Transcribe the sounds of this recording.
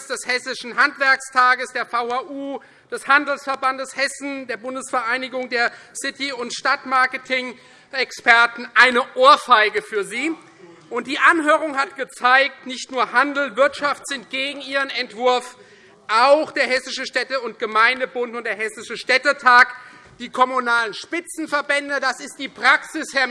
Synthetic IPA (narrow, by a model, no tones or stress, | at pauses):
sd̥ɛshɛsɪʃn̩ɦantv̥ɛɐkstʰaːɡəsd̥eːɐfaʊhaːʔuː | d̥ɛshandl̩sfɛɐbandəshɛsn̩deːɐbʊndəsfɐʔaɪnɪɡʊŋdeːɐsɪtiʊntʃtatmaɐkətʰɪŋ | ɛkspɛɐtn̩ʔaɪnəʔoːɐfaɪɡəfyːɐziː | ʔʊnt̚d̥iːʔanɦøːʁ̞ʊŋhatɡ̥ət͡saɪk̚tnɪçtnuːɐhandl̩vɪɐtʃaftz̥ɪntɡ̥eːɡŋ̩iːʁ̞ənɛntv̥ʊɐf | ʔaʊxd̥eːɐhɛsɪʃəʃtɛtəʊntɡ̥əmaɪndəbʊntʊnt̚d̥eːɐɦɛsɪʃəʃtɛtətʰaːk | d̥iːkʰɔmunaːlənʃpɪt͡sn̩fɛɐbɛndədasɪst̚d̥iːpʁ̥aksɪshɛɐ